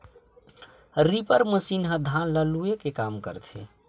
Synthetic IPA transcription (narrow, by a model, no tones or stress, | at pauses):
ɾipəɾməsinɦəd̪ʱanləluekekamkə̰ɾt̪ʰḛ